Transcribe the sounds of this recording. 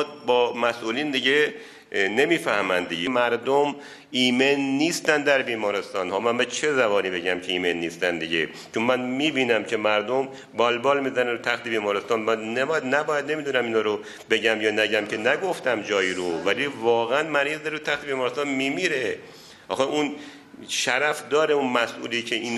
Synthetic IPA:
bɒːmæsʔuːliːnd̪iɟe | ne̞miːfæhmænd̪ḭɟemæɾd̪om | iːmenːiːst̪ænd̪d̪æɾbiːmɒːɾe̞st̪ɒːnhɒːmænbet͡ʃʰe̞zæβɒːniːbe̞ɟæmcʰeiːmenːiːst̪ænd̪iɟḛ | t͡ʃʰonmænmiːbiːnæmcʰe̞mæɾd̪om | bɒːlbɒːlmiːzæneɾut̪ʰæxt̪ʰebiːmɒːɾest̪ɒːnmænebjæd̪næbɒːjæd̪ne̞miːd̪unæmiːnhɒːɾo | be̞ɟæmjɒːnæɟæmcʰe̞næɡo̞ft̪æmd͡ʒɒːjiːɾovælivɒːɣeænmæɾiːzæɾut̪ʰæxt̪ʰebiːmɒːɾest̪ɒːnmiːmiːɾe̞ | ʔɒ̰ːxeʔun | ʃæɾæfd̪ɒːɾeunmæsʔṵːliːcʰeiːn

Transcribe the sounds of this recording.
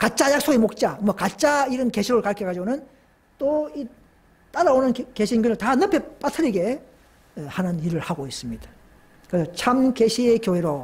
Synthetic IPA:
kat͡ɕ͈ajak̚s͈oɡemok̚t͡ɕ͈amwʌkat͡ɕ͈aiɾɯnke̞ɕʰiɾɯɭkaɭk͈ʰekad͡ʑiɡonɯn | t͈oi | t͈aɾaonɯnke̞ɕʰinkɯnɯtanʌpʰe̞p͈atʰɯɾiɡe̞ | ehanɯniɾɯɭhaɡois͈ɯmɲid̥ḁ | kɯɾesʰʌt͡ɕʰamkeɕʰiekjoɦe̞ɾo

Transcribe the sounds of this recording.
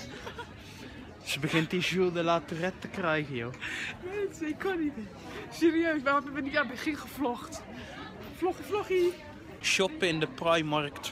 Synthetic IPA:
səbəɣɪntizulˠdəlatyrɛtəkrɛjɣəjoːmɛnsəɪkʰːɔnit | səɾiøːsʋaatəvəniabəχiχəflɔχt | flɔχiflɔχi | ʃɔpɪndəprajmɑrkt

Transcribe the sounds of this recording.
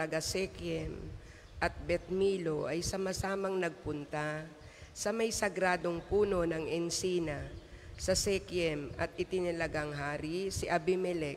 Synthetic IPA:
ɐɡasɛkjɛm | ʔɐt̪̚bɛt̪̚miːlo̞ʔɐjsɐmasaːmɐŋnɐɡ̚pʊnt̪a | sɐmɐjsɐɡɾaːd̪o̞ŋpuːno̞nɐŋʔɛnsiːnɐsɐsɛkjɛmʔɐt̪ʔɪt̪ɪnɐlɐɡaŋɦaːɾisɪʔɐbɪmɛlɛk

